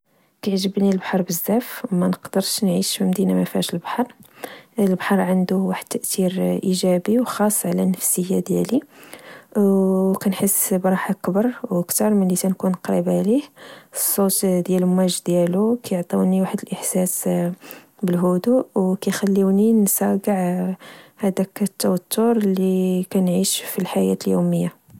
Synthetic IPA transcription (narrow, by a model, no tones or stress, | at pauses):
kæʕʒəbnilbħɑɾˤbəzːæfwmænəqd̪əɾʃnʕiʃfimd̪inamæfæʃəlbḁħɑɾˤ | əlbaħɑɾˤʕand̪uwaħəd̪̚t̪ːæʔt̪iɾʔiʒæbiwxɑsˤːʕlænəfsəjːad̪jæli | wkænħəsːbɾˤɑħakbɑɾˤwəkt̪ɑɾˤmənlit̪ænkunqɾibʕlihsˤːot̪d̪jælmæʒd̪jælukæjʕt̪ˤɑwniwaħəd̪əlʔəħsæs | bəlɦud̪uwkæjxælːiwninsæɡəʕ | hæd̪ækət̪ːæwæt̪ːʊɾlːikænʕiʃfilħajæ̰t̪əljuməjːa